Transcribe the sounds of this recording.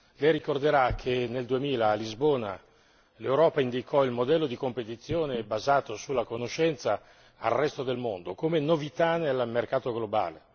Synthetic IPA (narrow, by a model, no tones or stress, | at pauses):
lɛjrikord̪eɾakʰeneld̪uemiːlaːlizboːna̰ | lewɾɔːpaind̪ikʰɔilmod̪ɛlːod̪ikompet̪it̪sːjoːnebazaːt̪osulːakonoʃːɛnt̪sa | a̰lrɛst̪od̪elmond̪okomenovit̪anelmerkaːt̪oɡloba̰ːle